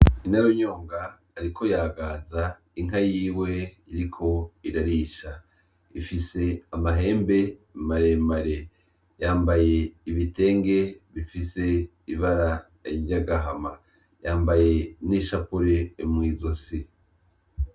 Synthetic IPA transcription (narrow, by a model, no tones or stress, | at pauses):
inaɾoɲo̞ːŋɡaː | ɾiko̞jaːɡaza | iŋ̥ɦajiːwe̞ | iɾikʰo̞iɾaɾiʃa | ifise̞amaɦe̞ːmbe̞maɾe̞maɾe̞ | jaːmbaje̞iβite̞ːŋɡe̞βifise̞ | iβaɾa | iaɡaɦama | jaːmbaje̞niʃapuɾeːmŋiːzo̞si